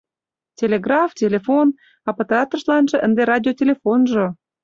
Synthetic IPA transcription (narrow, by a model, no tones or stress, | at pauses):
tʲelʲeɡrɑftʲelʲefon | ɑpət̪ɑt̪rʃlɑnʒɤ̆ʔənd̪eɾɑdʲiotʲelʲefonʒo